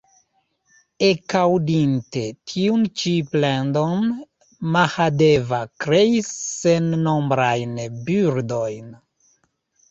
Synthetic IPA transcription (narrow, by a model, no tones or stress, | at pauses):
ekawdinte̞tʰiunt͡ʃiplendon | mahadevakɾeisːenːombɾajnbyɾdo̞jn